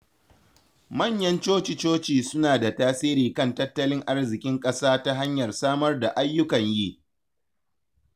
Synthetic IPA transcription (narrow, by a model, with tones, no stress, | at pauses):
mɐ˦˨ɲjɐ˦nt͡ʃoː˦t͡ʃɪ˨t͡ʃoː˦t͡ʃiː˨sʊ˦naː˨da˨taː˦siː˦ɾiː˨kɐ˦˨ntɐ˦tːɐ˦lɪ˦ŋʔa˦rzɪ˨kʲʼɪ˦ŋkʼɐ˦saː˦ta˦ɦa˦ɲjɐ˨rsaː˦mɐ˦rda˨ʔa˦jːʊ˦kɐ˨ɲjiː˦